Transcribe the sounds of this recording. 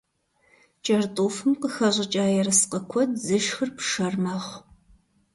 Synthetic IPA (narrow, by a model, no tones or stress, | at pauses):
t͡ʃʼɐrtʼuːfɨmqəxɐʑʷʼɪt͡ʃʼaːjɛɾɐsqəkʷʰɔd̚zɨʃxɨrpʰʂɐrmɐʁʷ